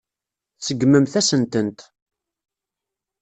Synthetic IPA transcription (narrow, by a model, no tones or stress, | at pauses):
sːəɡːməmθæsənt̪ənt̪